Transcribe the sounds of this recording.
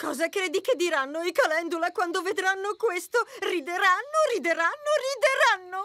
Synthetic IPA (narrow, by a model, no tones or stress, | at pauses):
kɔːzakɾeːd̪iked̪ːiɾanːoikalɛnd̪ulakwand̪oved̪ɾanːokwest̪orid̪eɾanːorid̪eɾanːorid̪eɾanːo